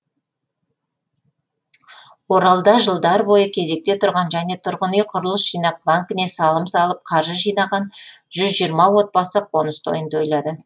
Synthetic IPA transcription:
wo̞ɾɑlˠd̪ɑʒəlˠd̪ɑɾbo̞jəkʲʰe̞ze̞k̚t̪e̞t̪ʰʊɾʁɑnʒæne̞t̪ʰʊɾʁənijqʰʊɾəlˠəsʒijnɑp̚baŋkʲɪne̞sɑlˠəmsɑlˠəp̚qʰɑɾʒəʒijnɑʁɑnʒ̥ʏzʒijɾmɑwo̞t̪̚bɑsəqʰo̞nəst̪ʰo̞̰jənd̪o̞jlˠɑd̪ə

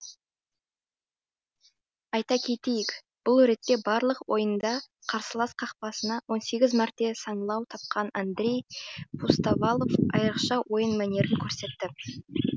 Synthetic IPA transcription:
ɑjt̪ɑkʲʰe̞t̪e̞jɪk | b̥ʊlˠɵɾe̞t̪ːe̞bɑɾlˠəqwʔo̞jənd̪ɑqʰɑɾsəlˠɑsqʰɑqpɑsənɑwo̞nse̞ɡʲɪzmɑɾt̪ːe̞sɑɴəlˠɑwt̪ʰɑp̚qʰɑnand̪ɾe̞jpʰust̪avɑlˠo̞fɑ̰jɾəqʃɑwo̞jənmæne̞ɾɪŋkʲʰɵɾse̞t̪ːɪ

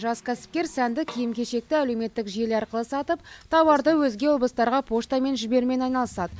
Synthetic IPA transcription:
ʒɑskʲʰæsɪ̥p̚kʲeɾsænd̪ɪkʲʰijɪmkʲʰe̞ʃe̞k̚t̪ɪæle̞wme̞t̪ːɪkʒie̞lɑɾqəlˠəsɑt̪əp̚t̪ʰɑwɑɾd̪əwɵzɡʲe̞wo̞blˠəst̪ɑɾʁɑpʰo̞ʃt̪ɑme̞nʒɪbe̞ɾme̞nɑjnɑlˠəsɑd̪ə

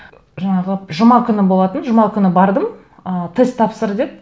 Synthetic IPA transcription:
ʒɑɴɑʁəʒəmɑkʲʰʏnɪbo̞lˠɑt̪ənʒəmɑkʲʰʏnɪbɑɾd̪əm | ət̪ʰest̪ʰːɑpsəɾd̪et̪̚

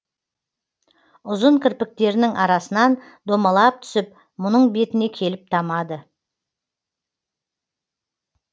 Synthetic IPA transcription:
ʊzəɴkʲʰɪɾpɪk̚t̪e̞ɾɪnɪŋʔɑɾɑsənɑn | d̪o̞mɑlˠɑp̚t̪ʰʏ̥sɪp̚ | mʊnəɴbe̞t̪ɪne̞kʲʰe̞lɪp̚t̪ʰɑmɑd̪ə

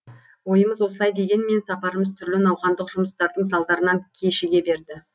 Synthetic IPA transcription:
wo̞jəməzwo̞səlˠɑjd̪e̞ɡʲe̞nme̞nsɑpɑɾəməzt̪ʰʏɾlɪnɑwχɑnd̪əqʒ̥ʊməst̪ɑɾd̪əɴs̬ɑlˠd̪ɑɾənɑŋkʲʰe̞ʃɪɡʲe̞be̞ɾd̪ɪ

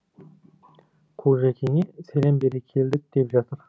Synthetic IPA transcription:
kʰoʒækʲʰeŋʲesælembeɾekʲʰe̞ld̪ɪk̚d̪̥e̞pʒɑt̪əɾ

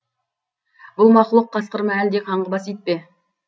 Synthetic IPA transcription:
bʊlˠmɑχlˠəq̚ʰːɑsqəɾmɑæld̪ekʰɑɴʁəbɑsejt̪̚pe

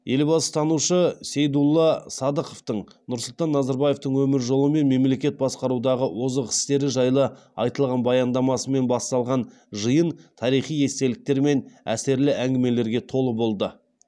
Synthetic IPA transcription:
jʔe̞lbɑsə̥t̪ʰɑnuʃəse̞jd̪ulˠːɑsɑd̪əqoft̪əɴnʊɾsʊlˠt̪ɑnːɑzɑɾbɑje̞ft̪əɴwɵmɪɾʒo̞lˠəme̞nme̞mle̞kʲe̞t̪̚bɑsqɑɾud̪ɑʁəwo̞zəqɪ̥st̪e̞ɾɪʒɑjlˠə | ɑjt̪əlˠʁɑnbɑjɑnd̪ɑmɑsəme̞nbɑst̪ɑlˠʁɑn | ʒəjənt̪ʰɑɾijχije̞st̪e̞lɪk̚t̪e̞ɾme̞næ̰se̞ɾlɪʔæŋɡʲɪme̞le̞ɾɡʲe̞t̪ʰo̞lˠəbo̞lˠd̪ə

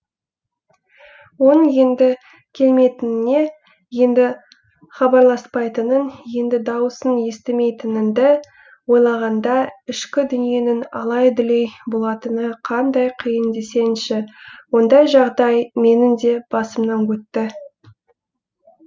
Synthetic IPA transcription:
wonəŋje̞nd̪ɪ | kʲʰe̞lme̞jt̪ɪnɪne̞ | je̞nd̪ɪ | χɑbɑɾlˠɑspɑjt̪ənənje̞nd̪ɪd̪ɑwəsənje̞st̪eme̞jt̪ɪnɪnd̪ɪ | wo̞jlˠɑʁɑnd̪ɑɪʃkʲɪd̪ʏnije̞nɪnɑ̰lˠɑjd̪ʏle̞jbo̞lˠɑt̪ənəqʰɑnd̪ɑjqʰijənd̪e̞se̞nʃɪwo̞nd̪ɑjʒɑʁd̪ɑjme̞nɪnd̪e̞b̥ɑsəmnɑŋkʲʰɵt̪ːɪ

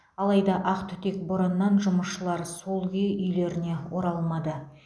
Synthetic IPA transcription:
ɑlˠɑjd̪ɑʔɑqt̪ʰʏt̪e̞k̚bʊɾənːɑnʒʊməsʃəlˠɑɾso̞lˠɡʲiʔʏjle̞ɾɪne̞wo̞ɾɑlˠmɑd̪ə

